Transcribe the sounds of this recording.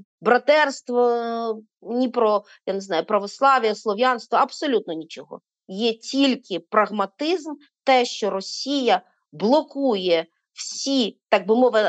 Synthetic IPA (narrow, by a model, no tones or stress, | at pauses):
bɾɐt̪ɛrst̪ʋɔ | nʲipɾɔ | janeznɑjʊpɾɐʋɔslˠɑʋʲijɐslˠɔʋʲjanst̪ʋɔɐbsɔlʲut̪̚nɔnʲit͡ʃɔɦɔ̰ | jɛtʲilʲkɪpɾɐɣmɐt̪ɪzm | t̪ɛʃt͡ʃɔɾɔsʲijɐ | blˠɔkujɛ | wsʲit̪ɑɡ̚bɪmɔʋɪ